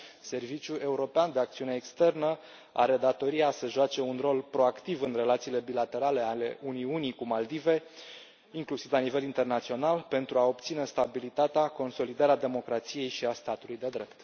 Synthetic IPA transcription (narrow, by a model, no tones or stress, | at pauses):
se̞rvit͡ʃʲjue̞uɾo̞peand̪e̞akt̪siune̞ːkst̪e̞rnə | a̰ɾe̞d̪at̪o̞ɾiasəʒoat͡ʃe̞unro̞lpɾo̞akt̪ivɨnre̞lat̪siːle̞bilat̪e̞ɾale̞ale̞unijunikumald̪ive̞ | iŋklusivlanive̞lint̪e̞rnat̪sio̞nalpe̞nt̪ɾuao̞pt̪sine̞st̪abilit̪at̪eako̞nso̞lid̪aɾead̪e̞mo̞kɾat̪sije̞jʃiast̪at̪ulujd̪e̞d̪ɾe̞pt̪